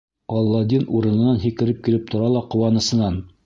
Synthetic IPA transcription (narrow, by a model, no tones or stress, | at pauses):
ɒlˠːɑd̪ʲinuɾɤ̆nɤ̆nɑnɦikɘ̆ɾɘp̚kilɘp̚t̪ŏɾɑlˠɑqŏwɑnɤ̆sɤ̆nɑn